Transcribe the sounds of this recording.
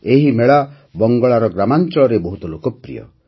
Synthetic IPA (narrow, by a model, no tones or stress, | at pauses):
eɦimeɭa | bɔŋɡɔɭaɾɔɡɾamant͡ʃɔɭɔɾebɔɦut̪ɔlokɔpɾḭjɔ̰